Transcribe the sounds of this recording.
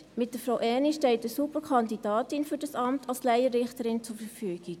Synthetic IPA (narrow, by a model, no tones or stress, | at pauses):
mɪt̚d̥əfɾaʊʔɛniʃtɛltəsupəkʰɑndidɑːtɪnfyɾdɑsɑmtʰɑlslæɪəɾɪχtəɾɪnt͡sʊɾfəɾfyːɡ̥ɪk